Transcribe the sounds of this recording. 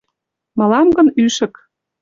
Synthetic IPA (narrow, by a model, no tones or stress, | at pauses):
mɤ̆lɑmɡə̆nyʃə̆k